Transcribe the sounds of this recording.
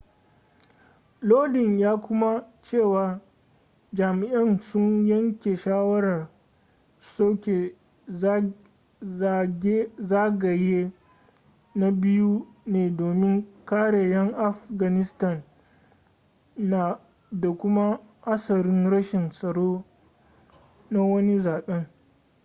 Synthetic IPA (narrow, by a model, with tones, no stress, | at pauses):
loː˦dɪ˨njaː˦kʷʊ˦ma˦t͡ʃeː˦˨waː˨ | d͡ʒaː˨mɪ˨ʔɐ˦nsʊ˦ɲjɐ˦ŋkʲe˨ʃaː˦wɐ˦ɽɐ˨r | soː˦kʲe˨˦˨ | e˦zaː˦ɡɐ˨jeː˦ | na˦bɪ˦ju˦ | neː˨doː˨mɪ˦ŋkaː˦ɽe˨jɐ˦ŋʔa˦fɡɐ˨nɪ˦stɐ˦˨n | na˨ | da˨kʷʊ˦ma˦ha˦sɐ˨ɾɪ˦nɽɐ˦ʃɪ˨nsʼɐ˨ɽoː˦ | na˦wɐ˦ni˦zaː˨ɓɛ˦ŋ